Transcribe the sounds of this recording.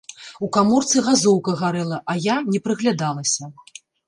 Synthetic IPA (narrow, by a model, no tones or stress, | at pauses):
ukamɔrt̪sɨɣazɔwkɐɣaɾɛlˠɐʔɐjanʲɛpɾɨɣlʲad̪alˠɐsʲɐ